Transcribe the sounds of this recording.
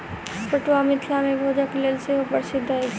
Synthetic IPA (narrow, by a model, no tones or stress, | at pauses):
pəʈwamɪt̪ʰlamẽbʱoːd͡ʒaklelseɦopəɾsɪd̪ʱːae